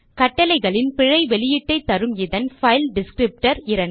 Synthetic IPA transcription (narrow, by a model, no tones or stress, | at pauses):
kɐʈːɐlɐɪɣɐɭɪnpɪɻɐɪʋɛɭɪjɪʈːɐɪt̪ːɐɾɯmɪðɐnfɐɪlɖɪskɾɪp̚ʈɐɾɪɾɐn